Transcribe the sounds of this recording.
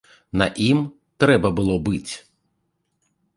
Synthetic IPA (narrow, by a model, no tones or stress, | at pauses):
nɐʔim | t̪ɾɛbɐbʊlˠɔbɪtʲ